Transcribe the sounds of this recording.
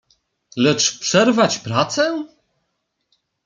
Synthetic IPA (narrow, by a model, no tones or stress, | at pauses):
lɛt͡ʂpʂɛɾvat͡ɕpɾat̪sɛ